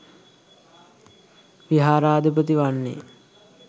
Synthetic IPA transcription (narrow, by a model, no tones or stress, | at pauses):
ʋiɦaːɾaːd̪əp̬ɾət̪iʋanːḛ